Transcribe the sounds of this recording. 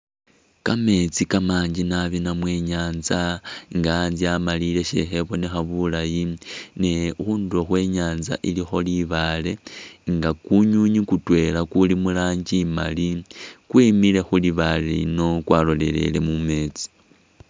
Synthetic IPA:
kame̞t͡sikamaːɲd͡ʒinaβinamwe̞ɲaːnzaŋɡaːnziamalile̞ʃe̞̰xe̞βo̞nexaβulajinexuːndoxwe̞ːɲaːnza̰ʔilixo̞liβaːle̞ŋɡakuɲuɲikutwe̞lakulimulaːɲd͡ʒima̰likwimile̞xuliβalelḭno̞kwaːlo̞le̞̰le̞̰le̞̰mume̞ːt͡si̥

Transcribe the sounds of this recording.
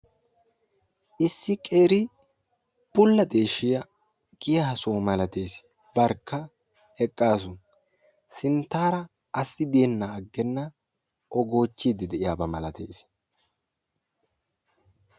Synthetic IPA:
ʔɪsːɪkʼeːɾɪ | b̥ʊlːɐt̪ʼeːʃɪjɐ | ɡ̥ɪjɐhɐsoːmɐlɐt̪e̞ːs | bɐɾkːɐ | ɛkʼːaːs̬ʊ | sɪnt̪ːaːɾɐː | sːɪd̪eːnːaːɡːɛnːɐ | ʔɔɡo̞ːt͡ʃːid̪ɪd̪ɛʔɪjaːbɐmɐlɐt̪ʰḛːs

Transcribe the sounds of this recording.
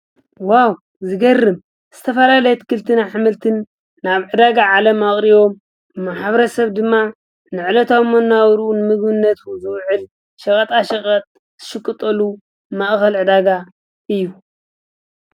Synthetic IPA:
waw | zɨɡɐrːɨm | z̥ɨt̪ʰɐfɐlalɐjɛt̪ʰkʰɨlt̪ʰɨnaħɨmɨlt̪ʰɨnː | aβʕɨd̪aɡaʕalɐmaχʼɾiβo̞m | maħaβɐɾɐsɐβd̪ɨmːa | nɨʕɨlɐt̪ʰamonːawɾunɨmɨɡbɨnːɐt̪uzɨwʕɨl | ʃɐkʼɐt̪ʼaʃɐχʼɐt̪ʼ | z̥ɨʃɨkʼːɨt̪ʼɐlu | mɐʔxɐlʕɨd̪aɡa | ʔɨjːu

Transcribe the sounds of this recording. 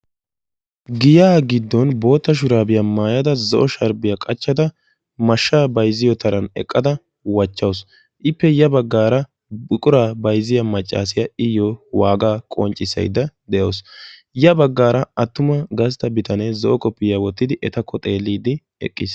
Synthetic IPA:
ɡɪjaːɡɪd̪ːɔnbo̞ːt̪ːɐʃ̬ʊɾaːbɪjɐmaːjɐd̪ɐzɔʔɔʃɐɾbɪjɐkʼɐt͡ʃːɐd̪ɐ | mɐʃːaːbɐjzɪjɔt̪ɐɾɐnɛ̰kʼːɐd̪ɐ | wɐt͡ʃːɐws | ʔɪpːɛjɐbɐɡːaːɾɐ | bʊkʼʊɾaːbɐjzɪjɐmɐt͡ʃʼːa̰ːsɪjɐɪjɔwaːɡaːkʼɔ̰nt͡ʃʼɪsːɐ̰jd̪ɐd̪ɛjɐws | jɐbɐɡːaːɾɐɐt̪ːʊmɐɡɐst̪ːɐbɪt̪ʰɐnɛzɔʔɔkʼɔpːɪjawɔt̪ːɪd̪ɪʔɛt̪ɐkʰːɔt̪ʼe̞ːlːiːd̪ɪ | ɛ̰kʼːɪs

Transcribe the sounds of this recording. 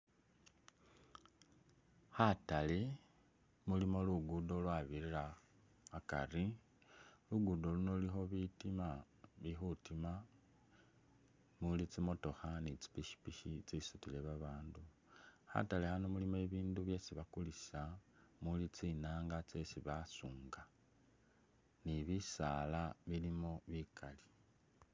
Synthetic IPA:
hatale | mulimo̞luɡudolwaβiɾiɾaː | ka̰ri | luɡudo̞lunolixo̞βitima | βixutima | mulit͡simo̞to̞xanit͡si̥piʃi̥piʃit͡sisutile̞βaβaːndu | ha̰talehanomulimoe̞βiːnduβje̞siβakuli̥samulit͡sinaːŋɡat͡se̞siβasuːŋɡa | niβisalaβilimo̞βikʰali̥

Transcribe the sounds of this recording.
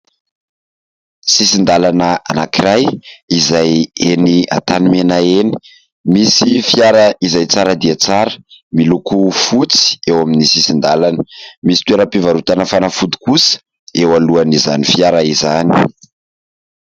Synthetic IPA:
sisind̪alanəa̰nakiɾajizajenia̰t̪animenaeni̥ | misifjaɾəizajt͡saɾəd̪iat͡saɾə̥milukufut͡si̥ewaminisisind̪alanə̥misi̥t̪ueɾəpivaɾut̪anəfanafud̪i̥kusə̥ | ewaluanizanifjaɾaizani̥

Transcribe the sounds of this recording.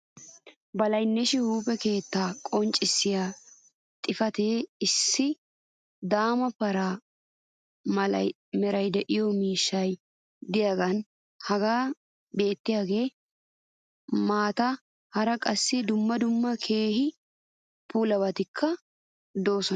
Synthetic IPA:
bɐlɐjnːɛʃɪhuːpɛke̞ːt̪ːaːkʼɔnt͡ʃʼːɪsːɪjaː | t̪ʼɪfɐt̪eːɪsːɪ | d̪aːmɐpɐɾaː | ɐ̰ | mɛɾɐjd̪ɛʔɪjɔmiːʃːɐj | d̪ɪjɐɡɐn | hɐɡaː | be̞ːt̪ːɪjaːɡe̞ː | maːt̪ɐ | hɐɾɐkʼɐsːɪd̪ʊmːɐd̪ʊmːɐkʰe̞ːhɪ | puːlɐbɐt̪ɪkʰːɐ | d̪o̞ːsɔ

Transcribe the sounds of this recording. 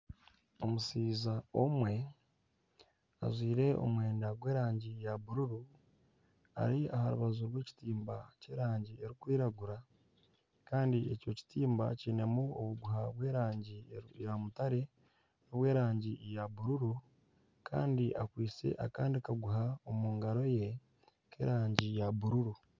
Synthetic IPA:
omusiːzaomwe̞ | a̰zwiːɾe̞o̰mwe̞ːndaɡwe̞ːɾaːɲɟijaβuɾuɾu | a̰ɾiahaɾṵβazuɾwe̞ːci̥tiːmbace̞ːɾaːɲɟie̞ɾikwiːɾaɡuɾa | kaːndie̞co̞ci̥tiːmba̰ciːne̞muo̰βuɡuɦaβwe̞ːɾaːɲɟijamutaɾe̞ | noβwe̞ːɾaːɲɟijaβuɾuɾu | kʰa̰ːndiʔakwiːt͡se̞̰ʔa̰kaːndikaɡuɦaomuːŋɡaɾo̞je̞ | ke̞̰ːɾaːɲɟijaβuɾuɾu

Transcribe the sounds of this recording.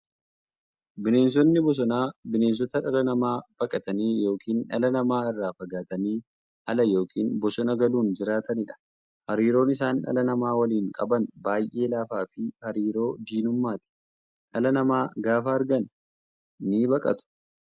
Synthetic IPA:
bɪne̞ːns̬ɔnːɪbɔs̬ɔnaːbɪne̞ːns̬ɔt̪ɐᶑɐlɐnɐmaːb̥ɐkʼɐt̪ɐniːjo̞ːkʰiːnᶑɐ̰lɐnɐmaːɪrːaːfɐɡaːt̪ɐniː | ʔɐlɐjo̞ːkʰiːnbɔsɔnɐɡɐluːnd͡ʒɪɾaːt̪ɐnɪᶑɐ̥ | hɐɾiːɾo̞ːnɪs̬aːnᶑɐ̰lɐnɐmaːwɐliːŋkʼɐ̰bɐnbaːjʔe̞ːlaːfaːfɪhɐɾiːɾo̞ːd̪iːnʊmːaːt̪ɪ̥ | ᶑɐlɐnɐmaːɡaːfaːɐɾɡɐn | niːbɐkʼɐ̰t̪ʊ̥

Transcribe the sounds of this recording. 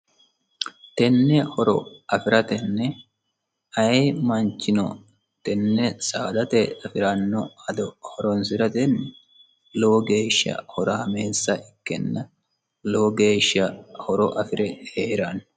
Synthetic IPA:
t̪ɛnːɛhɔɾɔ̰ɐfɪɾɐt̪ɛnːɛ | ɐjmɐnt͡ʃːɪnɔ̰ | t̪ɛnːɛsaːd̪ɐt̪ɛɐfɪɾɐnːɔɐd̪ɔhɔɾɔnsɪɾɐt̪ɛnːɛ | loːɡe̞ːʃːɐ̰hɔɾaːmeːsːɐʔɪkːɛ̰nːɐ | loːɡeːʃːɐhɔɾɔʔɐfɪɾɛheːɾan

